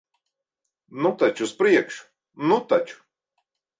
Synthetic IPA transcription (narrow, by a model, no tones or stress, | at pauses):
nut̪at͡ʃuspɾiɛkʃ | nut̪at͡ʃu̥